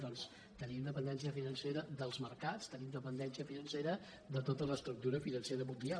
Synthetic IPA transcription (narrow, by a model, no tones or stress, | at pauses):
d̪ɔns | t̪ənimd̪əpənd̪ɛnsiəfinənseɾəðəlˠzməɾkat͡st̪ənimd̪əpənd̪ɛnsiəfinənseɾə | d̪ət̪ot̪ələst̪ɾuk̚t̪uɾəfinənseɾəmũnd̪ia